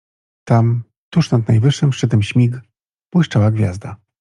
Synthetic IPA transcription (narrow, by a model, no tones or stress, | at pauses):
t̪am | t̪uʂnad̪najvɘʂːɘmʂt͡ʂɘt̪ɛmɕmʲik | pwʊʂt͡ʂawaɡvʲja̰zd̪a